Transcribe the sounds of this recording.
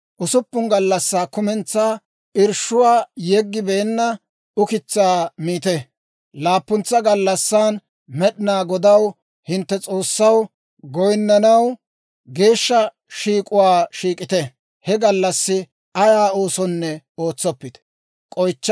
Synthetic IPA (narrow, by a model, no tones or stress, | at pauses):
ʔʊsʊpːʊŋɡɐlːɐsːaːkʊmɛnt͡sːaː | ɪɾʃʊwaːjɛɡːɪbe̞ːnːɐ | ʊkɪt͡sːaːmiːt̪ɛ | laːpːʊnt͡sːɐɡɐlːɐsːaːn | mɛɗɪnaːɡɔd̪ɐw | hɪnt̪ːɛt͡sʼo̞ːsːɐw | ɡɔjnːɐnɐw | ɡe̞ːʃːɐ | ʃiːkʼʊwaːʃiːkʼɪt̪ɛ | hɛɡɐlːɐsːɪ | ɐjaːoːsɔnːɛ | o̞ːt͡sːɔpːɪt̪ | kʼɔjt͡ʃː